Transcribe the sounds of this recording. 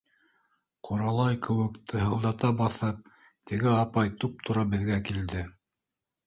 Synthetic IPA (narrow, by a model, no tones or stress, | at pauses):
qʰuɾɑlˠɑjkɘ̆wɘ̆kt̪ʰɤ̆ɦɤ̆lˠd̪ɑt̪ɑbɑθɤp̚ | t̪ɘ̆ɡɘɑpɑjt̪up̚t̪ʰŏɾɑbɘ̆ðɡækild̪ɘ